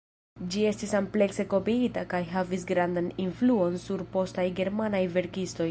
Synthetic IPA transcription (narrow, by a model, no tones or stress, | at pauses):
d͡ʒie̞stisample̞kse̞ko̞piitakajɦavisɡɾandaninfluo̞nsuɾpo̞stajɡe̞ɾmanajve̞ɾkisto̞j